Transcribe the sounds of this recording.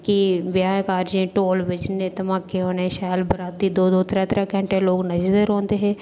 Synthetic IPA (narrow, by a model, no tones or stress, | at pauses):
kiʋjaːkaːɾd͡ʒẽːʈoːlʋɪd͡ʒnẽt̪ɐmaːkːeɦoːneʃaːjlbəɾaːt̪ːid̪oːd̪oːt̪ɾɛːt̪ɾãkɛ̃ɳʈeloːɡnɐd͡ʒɾd̪əɾɦõːnd̪eɦɛ̃ː